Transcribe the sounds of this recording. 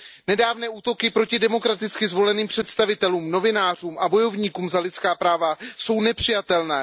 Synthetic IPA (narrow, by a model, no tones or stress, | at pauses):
nɛdaːvnɛːuːt̪o̞kɪpɾo̞cɪdɛmo̞kɾat̪ɪt͡skɪzvo̞lɛniːmpr̥ɛt̪st̪avɪt̪ɛluːmno̞vɪnaːr̝uːmʔabo̞jo̞vɲiːkuːmzalɪt̪t͡skaːpɾaːvaso̞wnɛpr̥ɪjat̪ɛlnɛː